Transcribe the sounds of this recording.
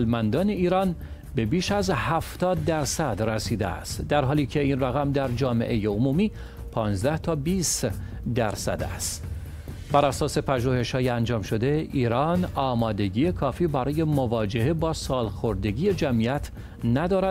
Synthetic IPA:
lmænd̪ɒːne̞iːɾɒːn | be̞biːʃæzhæft̪ɒːd̪ːæɾsæd̪resiːd̪eæ̰st̪d̪æɾɦɒːliːcʰe̞iːnræɣæmd̪æɾd͡ʒɒːme̞̰ʔe̞jeomuːmiː | pʰɒːnzd̪æht̪ʰɒːbiːs | d̪æɾsæ̰d̪æ̰st̪ | bæɾæsɒːse̞pʰæʒuːhe̞ʃhɒːjeænd͡ʒɒːmʃo̞d̪e̞ʔiːɾɒːnɒːmɒːd̪e̞ɟiːje̞kʰɒːfiːbæɾɒːje̞movɒːd͡ʒehe̞bɒːsɒːlxo̞ɾd̪e̞ɟiːje̞d͡ʒæmiæt̪ʰ | næd̪ɒːɾæ

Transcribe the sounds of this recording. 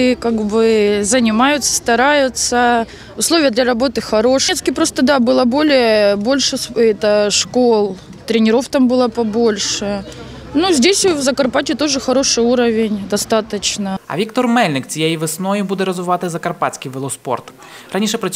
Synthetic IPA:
kaɡbɨzənʲɪmajʊt̪sːə̥st̪ɐɾajʊt̪sə | ʊslˠovʲɪjəd̪lʲɐɾɐbo̞t̪ɨxɐɾo̞ʂt̪skʲɪpɾo̞st̪əd̪abɨlˠəbo̞lʲɪjəbo̞lʲʂɨsɛt̪əʂkolˠ | t̪ɾʲɪnʲɪɾo̞ft̪ambɨlˠəpɐbo̞lʲʂɨ | nuzʲdʲesʲvzɐkɐrpatʲɪt̪o̞ʐɨxɐɾo̞ʂɨjuɾəvʲɪnʲd̪ɐst̪at̪ət͡ɕnəɐ̰ʋʲikt̪ɔrmɛlʲnɪk̚t͡sʲijejiʋɪsnɔjʊbud̪ɛɾɐzʋɪʋat̪ɪzɐkɐrpat͡sʲkʲijʋɪlˠɔspo̰rt̪ | ɾanʲiʂɛpɾɐ

